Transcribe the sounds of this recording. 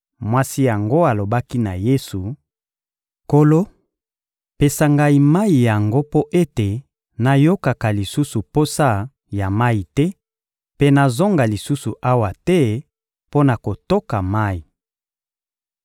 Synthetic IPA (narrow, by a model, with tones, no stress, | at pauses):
mwa˦si˦ja˨ŋɡo˦a˨lo˨ba˦ki˦na˨je˦su˨ | ko˦lo˦ | pe˨sa˨ŋɡa˨i˨ma˦i˨ja˨ŋɡo˦po˦ʔe˦te˨ | na˨jo˦ka˨ka˨li˨su˦su˨po˦sa˦ | ja˨ma˦i˨tɛ˦ | pe˦na˨zo˦ŋɡa˨li˨su˦su˨ʔa˦wa˨tɛ˦ | po˦na˨ko˨to˦ka˨ma˦ji˨